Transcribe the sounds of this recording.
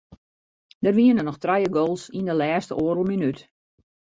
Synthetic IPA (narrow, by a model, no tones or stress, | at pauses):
dərʋiənənɔxtrajəɡoːlˠsindəlɛːstəʔoəɾəlˠminyt